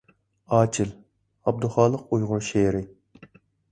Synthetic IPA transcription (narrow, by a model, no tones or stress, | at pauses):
ɑːt͡ʃʰɪl | ɑb̚d̪uχɑːlˠəqujʁʊɾʃeːɾɪ